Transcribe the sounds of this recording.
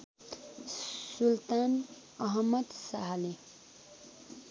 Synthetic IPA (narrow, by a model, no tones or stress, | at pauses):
sult̪an | ʌɦʌmːʌd̪saɦʌle